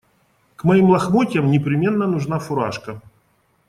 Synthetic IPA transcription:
kmɐimlˠɐxmotʲjəmnʲɪpɾʲɪmʲe̞nːənʊʐnafʊɾa̰ʂkə

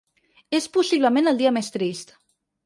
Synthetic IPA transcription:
espusiβ̞ləmẽnəlˠd̪iəmest̪ɾist̪

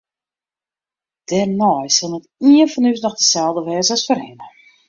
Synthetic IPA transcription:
d̥ɛrnɔjsɔlˠnətiənfɔnys̬nɔxdəsɛlˠdəʋɛːzəɔsfərɪnə

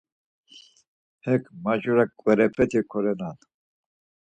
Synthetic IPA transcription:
hɛkʰmat͡ʃuɾakʼwɛɾɛpʰɛt̪ʰikʰɔɾɛnan

